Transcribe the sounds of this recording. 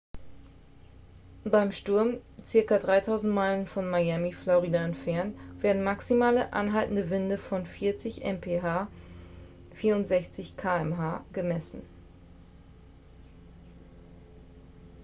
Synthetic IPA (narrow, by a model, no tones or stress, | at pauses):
b̥aɪmʃtʊɐmt͡sɪɐkɐdʁaɪtʰaʊzn̩tmaɪlənfɔnmajɛmiflɔʁidaɛntfɛɐntv̥eːɐdn̩maksimaːləʔa̰nɦaltn̩dəvɪndəfɔnfiɐt͡sɪçʔɛ̰mpʰeːɦaː | fiːɐʊntz̥ɛçt͡sɪçkʰaːɛmɦaːɡ̥əmɛsn̩